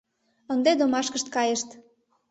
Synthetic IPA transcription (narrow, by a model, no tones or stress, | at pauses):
ənd̪ed̪omɑʃkəʃt̪̚kɑjəʃt̪